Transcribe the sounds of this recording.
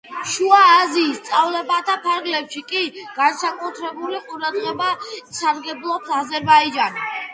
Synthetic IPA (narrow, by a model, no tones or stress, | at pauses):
ʃuaːziːst̪sʼavlɛbat̪ʰapʰaɾɡlɛpʃikʼiɡ̥ansakʼut̪ʰɾɛbuliqʼuɾad̪ʁɛbasaɾɡɛblˠɔpʰazɛɾbaid͡ʒani